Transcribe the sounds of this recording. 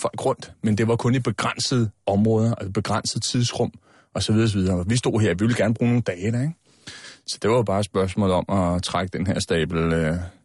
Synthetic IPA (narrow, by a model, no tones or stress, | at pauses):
fɒ̽l̰ɡ̥ʁɔ̽n̰d̥mend̥e̝ʋɑ̈kʰɔ̽nib̥e̝ɡ̥ʁan̰səð̞̩ˠɒ̽mʁɔ̽ːð̞ˠɐʔæsb̥e̝ɡ̥ʁɑn̰səð̞̩ˠt͡sʰiðˠsʁɔ̽m̰ | ɒ̽sɒʋið̞ˠɒs̬ɒʋið̞ˠɐɒʋisd̥o̝̰ɦeɐ̰ʋiʋe̝l̩ɡæɐnb̥ʁuːno̝ːn̩d̥ɛːɪəd̥æɐeɡ̥ | sɒ̥d̥eʋɑjob̥ɑ̈ːsb̥ɶɐsmɔ̰̽ːl̩ˠɒ̽mɒt͡sʰʁaɡ̥əd̥enɦeɐ̰sd̥ɛ̰ːb̥l̩ø